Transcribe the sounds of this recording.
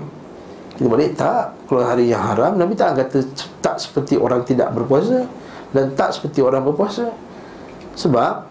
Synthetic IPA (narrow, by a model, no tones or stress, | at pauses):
kit̪əbalɪʔt̪aʔkalaɦaɾijaŋɦaɾamnapit̪aʔaŋkat̪ət̪aʔsə̥pərt̪iʔo̰ɾaŋt̪ida̰ʔbərpuas̬a | dant̪aʔsə̥pərt̪ioɾaŋbərpuasa | səbap̚